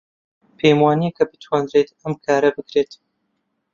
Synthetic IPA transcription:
pʰejmwaːniekʰɐbɨ̥t̪ʰwaːnɾet̪ɐmkʰaːɾɐbɨkɾeːt̪

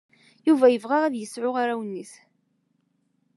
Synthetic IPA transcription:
juvæjəvʁaʁæðjəsʕʊʁaɾæwənːis

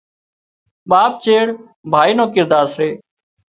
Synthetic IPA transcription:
ɓaːp̚t͡ʃeːɽ | bʱaːiːnõːkɪɾd̪aːɾseː

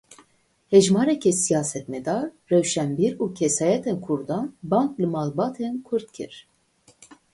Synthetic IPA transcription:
hɛʒmɑːɾɛkʰɛsijɑːsɛt̪mɛd̪ɑːɾːɛwʃɛmbiɾuːkʰɛsɑːjɛt̪ʰɛnkʰuɾd̪ɑnbɑŋklɨmɑːlˠbɑːt̪ʰɛnkʰɨɾt̪kʰɨ̰ɾ̥

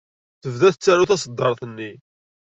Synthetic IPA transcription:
θəvðæθt͡sːæɾuθæs̬əd̪ːəɾˤθənːi

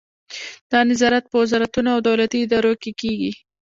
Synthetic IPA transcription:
d̪̥ɑnɪzɑɾat̪̚pəwɪzɑɾat̪unoawd̪awlat̪iɪd̪ɑɾokekeɡi

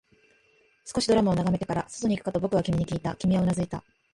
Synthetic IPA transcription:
sɨ̥ko̞ɕid̪o̞ɾamao̞naɡame̞t̪ekaɾaso̥t̪o̞ɲ̟ikɯ̟̥kat̪obo̞kɯ̟βakʲimʲiɲ̟ikʲiːt̪a̰kʲimʲiaonazɨit̪a̰

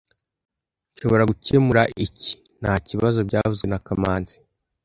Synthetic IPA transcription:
ɲʃo̞βo̞ɾaɡucemuɾaʔici̥ | n̥haːciβazo̞bɟaːvuzɡwe̞nakamaːnzi̥

